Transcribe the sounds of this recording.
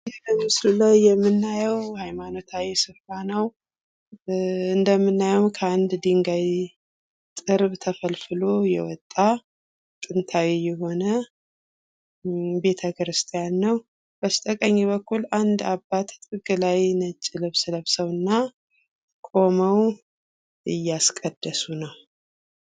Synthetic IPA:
jɛmɨslulajːɛmːɨnːajəwhajmano̞t̪ʰawisɨfɾanəw | ɨnd̪əmːɨnːajəwkʰəand̪d̪iŋɡaj | t̪ʼɨɾbt̪ʰəfəlfɨlo̞jɛ̰wɔ̰t̪ʼːa | t̪ʼɨnt̪ʰawijɛɦo̞nə | be̞t̪ʰəkʰɾɨst̪ʰʼijanːəw | b̥əst̪ʼəkʼəɲːiβəkʰːuland̪abːat̪ʼɨɡɨlajnət͡ʃʼːɪləβsləβsəwɨnːa | kʼo̞məw | ɨjːaskʼəd̪̥ːəsunəw

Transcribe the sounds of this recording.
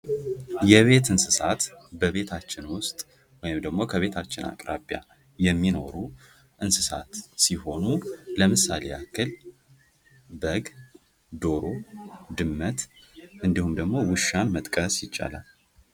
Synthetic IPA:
jɛβe̞t̪ɨnsɨsat̪bəβe̞t̪ʰat͡ʃːɪnwʊst̪ʼ | wɔjɪmd̪əɡmo̞kʰəβe̞t̪ʰat͡ʃːɪna̰kʼɾabja̰ | jɛmːino̞̰ɾu | ʔɨnsɨsat̪siho̞nuləmɨsːa̰leakʰɨl | bəɡ | d̪o̞ɾod̪ɨmːət̪ʔɨnd̪ihumd̪əɡmo̞wɨʃanmət̪ʼkʼəsjɪt͡ʃʼːa̰la̰l

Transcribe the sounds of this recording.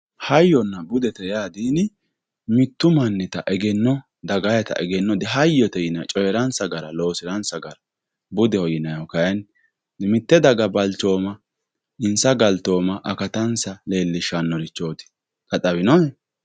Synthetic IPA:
hɐjːɔnːɐbʊd̪ɛt̪ɛjaːd̪iːnɪ | mɪt̪ːʊmɐnːɪt̪ɐʔɛɡɛnːɔ | d̪ɐɡɐjɐt̪ɐ̰ʔɛɡɛnːɔd̪ɛɦɐjːɔt̪ɛjɪnɐt͡ʃʼɔjɛɾɐnsɐɡɐɾɐloːsɪɾɐnsɐɡɐɾɐ | bʊd̪ɛhɔjɪnɐjɔkɐjɛn | mɪt̪ːɛd̪ɐɡɐbɐlt͡ʃoːmɐ | ɪnsɐɡɐlt̪o̞ːmɐʔɐkɐt̪ɐnsɐle̞ːlːɪʃanːɔɾɪt͡ʃːoːt̪ɪ̥ | kɐtʼɐβɪnɔɛ

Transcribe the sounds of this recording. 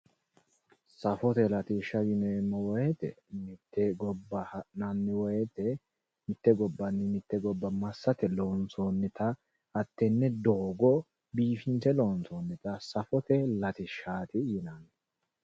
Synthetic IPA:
sɐfɔt̪ɛlɐt̪iʃɐjɪnemːɔwɔjɛt̪ɛmɪt̪ːɛɡɔbːɐhɐnɐnːɪwɔjɛt̪ɛ | mɪt̪ːɛɡɔbːɐnːɛmɪt̪ːɛɡɔbːɐmɐsːɐt̪ɛloːnsoːnːɪt̪ɐ | ɐt̪ːɛnːɛd̪oːɡɔ | biːfɪnt̪ɛloːnsoːnːɪt̪ɐsɐfɔt̪ɛlɐt̪ɪʃaːt̪ɪjɪnɐnɛ

